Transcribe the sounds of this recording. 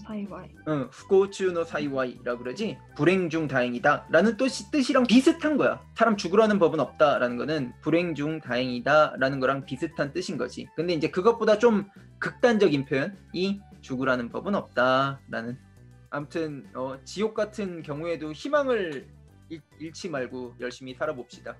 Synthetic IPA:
ɯɸu̥k͈ʰot͡ɕʰunosʰaiwaiɾaɡoɾʌd͡ʑi | puɾe̞ŋd͡ʑuŋtaɦeŋidaɾanɯnt͈oɕʰit͈ɯɕʰiɾaŋpisʰɯtʰanɡʌja̰sʰaɾamt͡ɕuɡuɾɦanɯnpʌbɯnʌp̚t͈aɾanɯnɡʌnɯnpuɾe̞ŋd͡ʑuŋtaɦeŋidaɾanɯnɡʌɾaŋpisʰɯtʰant͈ɯɕʰinɡʌ̰d͡ʑḭkɯnde̞ind͡ʑe̞kɯɡʌt̚p͈odat͡ɕ͈om | kɯk̚t͈and͡ʑʌɡinpʰjojʌnit͡ɕuɡuɾɦanɯnbʌbɯnʌp̚t͈aɾanɯn | amutʰɯnʌt͡ɕijok̚k͈atʰɯnkjʌŋue̞doçimaŋɯɾ | iɭt͡ɕʰimaɭɡojʌɭɕ͈imisʰaɾabop̚ɕ͈id̥a

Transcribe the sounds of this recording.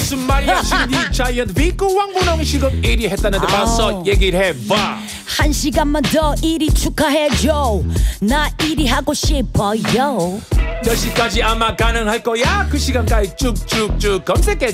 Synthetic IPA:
sumːaɾiat͡ɕʰiɲit͡ɕajʌnt̪̚vik͈uwaŋbunʌŋiɕʰiɡɯmiɾiɦet̚t͈anɯndepasʌjeɡiɾɦeba | hanɕiɡamːʌdɔʔiɾit͡ʃʰukʰaɦed͡ʑonaiɾiɦaɡoɕebʌjɔ | jʌɕik͈ad͡ʑiamakanɯŋhaɭk͈ʌjakɯɕʰiɡank͈ait͡ɕuk̚t͡ɕuk̚t͡ɕukʌmsʰek͈e

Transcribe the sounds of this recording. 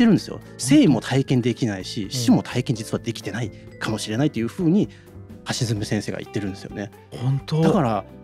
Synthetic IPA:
t̪ːe̞ɾɯ̟nd̪esɨjo̰ | se̞ːimo̞t̪ʰaikẽ̞nd̪e̞kʲinaiɕiɕimo̞t̪ʰaikẽɲ̟d͡ʑit͡sɨβad̪e̞kʲi̥t̪e̞nai | kʰamo̞ɕiɾe̞nait̪ːo̞jɯ̟ɸɯ̟ːɲ̟i | haɕizɨmisẽɰ̃se̞ːɡa̰ʔḭt̪ːe̞ɾɯ̟nd̪e̞sɨjone | hõnt̪od̪akaɾa

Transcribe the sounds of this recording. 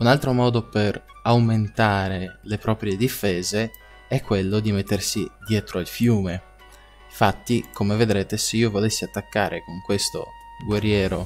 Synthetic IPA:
unalt̪ɾomɔːd̪oper | awment̪aːɾelepɾɔːpɾjed̪ifeːze | ɛkːwelːod̪imet̪ːersid̪jɛːt̪ɾoilfjuːme | fat̪ːikomeved̪ɾeːt̪eseiːovolesːiat̪ːakːaːɾʔekoŋkwest̪o̰ɡwerːjɛːɾo̰

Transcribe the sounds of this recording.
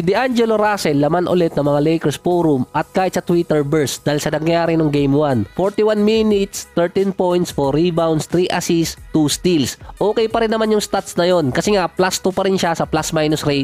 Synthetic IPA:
ɪd̪ɪʔand͡ʒɛloɾasɛlːɐmanʔʊ̰lɛt̪̚nɐŋmɐŋalɛjkɛɹsfoːɾumʔɐt̪̚kaːjɪt̪sɐt̪wit̪ɛɹbɛɹsd̪aːjlsɐnɐŋjaːɾɪnoŋɡejmwanfoɹt̪ɪwanminɪt̪st̪ɛɹt̪inpojnt̪sfoɾibawnd̪st̪ɾiʔasist̪ust̪ilsʔoːkɛjpɐɾɪnːɐmanjʊŋst̪at̪snɐjo̞nkɐsɛŋaplast̪upɐɾɪnʃasɐplasmajnosɾejt̪̚

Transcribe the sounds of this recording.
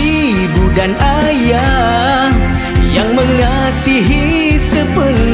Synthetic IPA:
dudanʔaja | jaŋməŋa | siɦi | səpən

